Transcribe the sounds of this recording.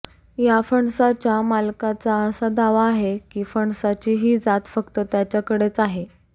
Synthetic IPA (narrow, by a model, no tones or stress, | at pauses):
jafəɳsat͡ɕjamalkat͡saəsad̪aʋaːɦekiːfəɳsat͡ɕiːɦiːd͡zat̪fəkt̪ət̪jat͡ɕjakəɽet͡saɦe